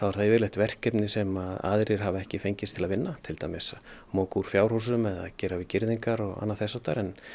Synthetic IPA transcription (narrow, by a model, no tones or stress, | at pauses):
θawaɾ̥θavɪɾleht̪vɛr̥cɛpnɪsɛmaða̰ðɾɪɾ̥ɦavaɛhcɪfejɲcɪst̪ʰɪlaðvɪnːat̪ʰɪlt̪ajmɪsmoːkuɾ̥fjawɾ̥hus̬ʏmɛða̰ðcɛːɾavicɪɾðiŋkaɾɔɣa̰nːaθɛsːat̪aɾɛn